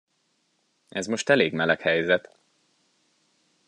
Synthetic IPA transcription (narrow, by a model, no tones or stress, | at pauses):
ɛzmo̞ʃt̪ɛleːɡmɛlɛkhɛjzɛt̪